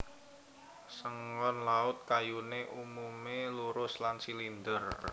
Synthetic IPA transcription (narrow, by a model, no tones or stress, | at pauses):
səŋɔnlaʊt̪̚kajuneʔumumeluɾʊslansilind̪ər